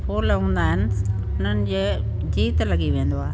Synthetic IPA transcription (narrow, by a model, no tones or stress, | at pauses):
pʰoːləũːn̆d̪aːɦɪnɪ̆ | ʊn̤ənɪ̆d͡ʑeː | d͡ʑiːt̪lɐɠiʋẽːnd̪oaːɦe